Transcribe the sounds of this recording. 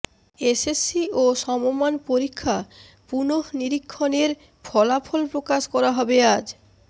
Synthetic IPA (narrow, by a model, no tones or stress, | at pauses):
esesːioʃɔmomanpoɾikʰːa | punoɦniɾikʰːoneɾ | fʰɔlapʰolpɾokaʃkɔɾaɦɔbead͡ʑ